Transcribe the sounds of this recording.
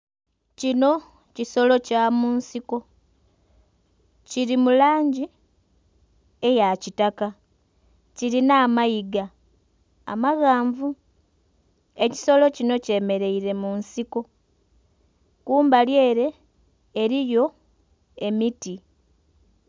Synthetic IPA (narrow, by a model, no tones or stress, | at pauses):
cino̞ | ciso̞lo̞camunsiko̞ | ciɾimulaːɲɟi | e̞jacitaka | ciɾinaːmajiɡa̰ː | maɣaːɱvu | e̞ci̥so̞lo̞cino̞ce̞me̞ɾe̞iɾe̞munsiko̞ | kuːmbalje̞ːɾe̞ː | ɾijo̞ | e̞miti